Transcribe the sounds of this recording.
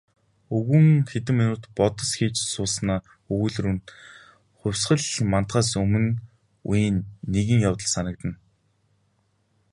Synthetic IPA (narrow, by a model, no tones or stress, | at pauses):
ɵɣɘ̆ŋxet̪ɘ̆mːinʊːt̪pɔt̪ə̆sxiːt͡ɕsʊːsnaː | ɵɣuːɮruːnt̪ | χʊ̟wʲsɢə̆ɮman̥t̪̚ɢaːs̬ɵmɘ̆n | ujiːnːeɣĭŋjawt̪ə̆ɮsanə̆k̚t̪ə̆n